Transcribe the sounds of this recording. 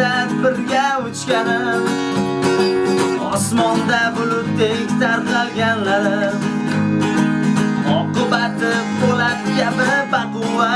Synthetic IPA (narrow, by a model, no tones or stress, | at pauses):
abɪɾɡʲaʊt͡ʃkʲanɪ | ɒsmɒnd̪abʊlʊp̚t̪ːeɪkʲt̪aɾqalɡʲanlaɾɪ | ɒqɨbat̪ɪbolat̪ɪɡʲabɪbaqʊwa